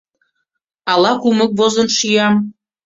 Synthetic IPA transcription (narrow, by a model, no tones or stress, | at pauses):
ɑlɑkumə̆k̚vozə̆nʃijɑm